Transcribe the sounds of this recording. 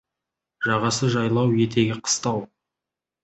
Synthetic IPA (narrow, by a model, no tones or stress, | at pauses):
ʒɑʁɑsəʒɑjlˠɑwje̞t̪e̞ɡʲɪqʰə̥st̪ɑw